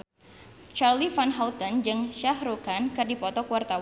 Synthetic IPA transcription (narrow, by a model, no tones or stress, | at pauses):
t͡ʃarlifanɦawt̪ənd͡ʒɨŋʃahɾukankɨrdipɔt̪ɔkuwart̪aw